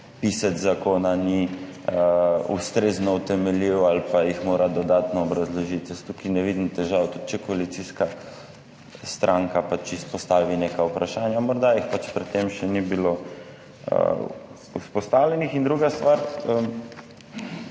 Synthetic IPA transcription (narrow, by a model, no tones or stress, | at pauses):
pisat̪zakoːnani | ust̪ɾeːznɔut̪ɛmɛliwalpajixmoːɾad̪ɔd̪aːt̪nɔːbɾazlɔʒit̪ɛst̪ukinɛʋid̪nt̪ɛʒawt̪ut̪̚t͡ʃɛkɔalit̪siska | st̪ɾʔaŋkapat͡ʃispɔst̪aːʋineːkaupɾaʃaːnjamɔɾd̪ajixpat͡ʃpɾɛt̪ːemʃɛnibilo | ə̰ | uspɔst̪aːwlʲɛnixind̪ɾuːɡast̪ʋaɾəm